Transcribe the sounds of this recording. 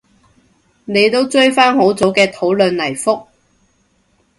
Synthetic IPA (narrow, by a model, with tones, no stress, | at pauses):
ne˨˧jt̪o˥wt͡sɵ˥ɥfaː˥nho˨˥wt͡so˨˥wkɛː˧t̪ʰo˨˥wlɵ˨˧nlɐ˨˩jfʊ˥k̚